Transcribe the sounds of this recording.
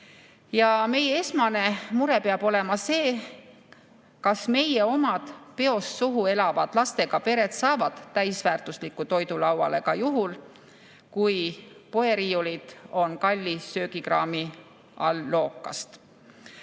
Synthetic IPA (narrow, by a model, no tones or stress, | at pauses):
jɑme̞jee̞smɑne̞muɾe̞peɑb̥o̞le̞mɑse̞ː | kɑsme̞je̞o̞mɑd̪̥pe̞o̞sːuɦue̞lɑvɑd̪̥lɑst̪e̞ɡ̥ɑpe̞ɾe̞t̪sɑːvɑd̪̥ːæjsvæːrt̪uslikːˑut̪o̞jd̪ulɑwɑ̰le̞kɑjuɦul | kujpo̞e̞ɾijulid̪̥o̞nkɑlʲːisøːɡikrɑːmi | ɑːo̞ːkːˑɑ̰st̪